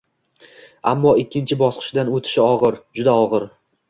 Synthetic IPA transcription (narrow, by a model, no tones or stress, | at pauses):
a̰mːɒɪkʲːɪnt͡ʃʰɪbɒsqʰɨ̥ʃd̪anot̪ʰɪ̥ʃɪɒʁɨɾd͡ʒʊd̪aɒʁɨɾ